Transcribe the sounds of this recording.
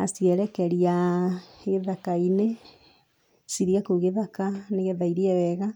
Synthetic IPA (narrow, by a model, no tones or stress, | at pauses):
asiɛɾɛkɛɾia | ɣeðakaine | siɾiakuɣeðakaneɣeðaiɾiɛwɛɣa